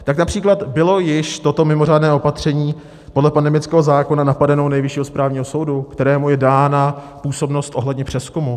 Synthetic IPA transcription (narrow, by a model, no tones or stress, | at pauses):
t̪aknapr̥iːklat̪bɪlo̞jɪʃt̪o̞t̪o̞mɪmo̞r̝aːdnɛːʔo̞pat̪r̝̥ɛɲiː | podlɛpandɛmɪt͡skɛːɦo̞zaːko̞nanapadɛno̞wnɛjvɪʃiːɦospɾʔaːvɲiːɦoso̞wdukt̪ɛɾɛːmujɛdaːna | puːso̞bno̞st̪ʔo̞ɦlɛdɲɛpr̝̥ɛskumu